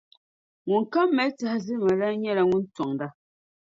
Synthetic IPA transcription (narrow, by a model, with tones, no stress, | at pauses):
ŋu˨ŋ̩˨ka˦mːɛ˨˦t͡sa˦hzi˦ma˨ɾa˦ɲɛ˦ɾa˨ŋu˦n̩˦t͡sɔ˨ŋda˦˨